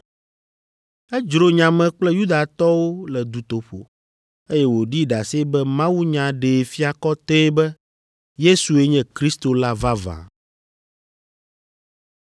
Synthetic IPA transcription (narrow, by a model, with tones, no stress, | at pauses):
ɛ˦d͡ʒɾo˦ɲã˨mɛ̃˨k͡plɛ˦ju˦d̪a˨t̪ɔ˦wo˦lɛ˨d̪u˨t̪o˨ɸo̰˨ | e˦jɛ˦wo˨ɖi˦ɖa˨se˦bɛ˦mã˦wu˦ɲã˨ɖe˨fi˦a˨kɔ˦t̪ɛ˦bɛ˦ | je˦su˨e˦ɲɛ̃˦kɾi˦st̪o˨la˦va˦vã̰˨